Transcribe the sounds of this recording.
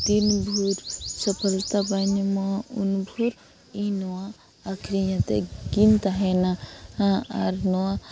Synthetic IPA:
t̪inbʱuɾsəpʰəlt̪abanimɔunbʱuɾ | ĩnɔwaː | kʰɾijãt̪eɡint̪aɦenaaaɾnɔwa

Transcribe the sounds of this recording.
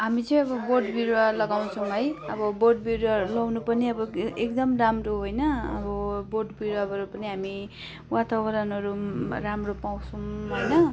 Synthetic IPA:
ɦamit͡sʌj̃ʌbʌboʈbiɾowalʌɡaw̃t͡sʰʌ̃wɦʌjʌbʌboʈbiɾalʌwnupʌniʌbʌekd̪ʌmramroɦojnʌːbʌboʈbiɾoabʱʌɾupʌniɦami | wat̪ʰaɡʌɾʌnʌɾuɾamropaw̃t͡sʰʌ̃ɦojnʌ

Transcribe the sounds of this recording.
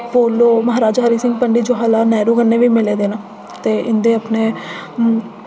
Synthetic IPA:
poːloːməɦaːɾaːd͡ʒɦaːɾiːsɪ̃ŋɡpəɳɖiːd͡ʒoːɦaːlaːnɛːɾuːkənːeːʋiːmɪleːd̪eːnaː | t̪eːɪnd̪eːəpneː

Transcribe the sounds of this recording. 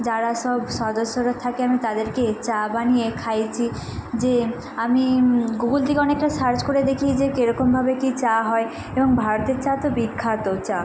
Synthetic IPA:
d͡ʑaɾaʃɔbʃɔd̪oʃːoɾat̪ʰakeamit̪ad̪eɾket͡ɕabaniekʰajt͡ɕʰi | d͡ʑe | amiɡuɡuld̪ʱikeɔnek̚ʈaʃaɾd͡ʑkoɾed̪ekʰid͡ʑekeɾɔkombʱabekit͡ɕaɦɔe | eboŋbʱaɾot̪eɾt͡ɕat̪obikʰːat̪ot͡ɕa

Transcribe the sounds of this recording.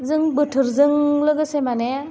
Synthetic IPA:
zɯŋbɯtʰɯɾzɯŋlɯɡɯsemane

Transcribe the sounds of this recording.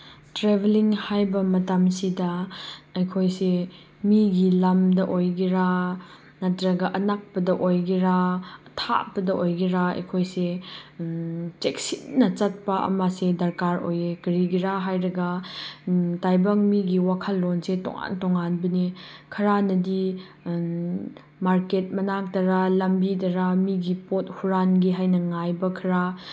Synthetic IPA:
tɾebeliŋhajbɐmɐtamsidɐɐjkʰojse | miɡilamdɐʔojɡiɾa | nɐtɾɐɡɐʔɐnak̚pɐdɐʔojɡiɾaɐtʰa̰pɐdɐʔojɡiɾaɐ̰jkʰojse | t͡ʃek̚sitnɐt͡ʃɐt̚pɐʔɐ̰masedɐɾkaɾo̰jekɐɾiɡiɾaɦajɾɐɡa | tajbɐŋmiɡiwakʰɐlːonsetɔ̰ŋa̰ntoŋanbɐnikʰɐɾanɐdi | maɾket̚mɐnaŋtɐɾalɐmbitɐɾamiɡipot̚huɾanɡiɦajnɐŋajbɐkʰɐɾa

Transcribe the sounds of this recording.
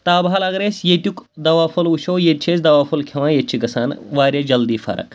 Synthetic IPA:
t̪aːbʱalaɡɾesjet̪ʲjukd̪ɐʋaːfɐluɕoːjet̪t͡ʃʰesd̪ɐʋaːfɐlkʰeʋãːjet̪t͡ʃʰiɡɐsaːnʋaːɾʲed͡ʒɐld̪iːfa̰ɾə̰k

